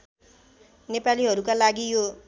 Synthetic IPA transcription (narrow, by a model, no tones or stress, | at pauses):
nepaliɦʌɾukalaɡijo